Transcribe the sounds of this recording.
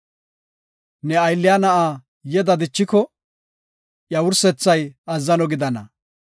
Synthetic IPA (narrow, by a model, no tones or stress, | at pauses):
nɛɐjlːɪjanɐʔaː | jɛd̪ɐd̪ɪt͡ʃːɪkɔ | ʔjɐwʊɾsɛt͡sːɐjɐzːɐnɔɡɪd̪ɐnɐ̰